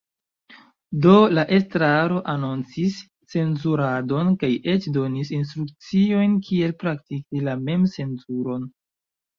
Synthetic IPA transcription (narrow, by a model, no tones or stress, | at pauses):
do̞laʔe̞stɾaɾo̞ʔanont͡sisː | e̞nzuɾado̞nkajʔe̞t͡ʃdo̞nisins̬tɾuk̚t͡sio̞jnkʰie̞lpɾaktikilame̞mse̞nzuɾo̞n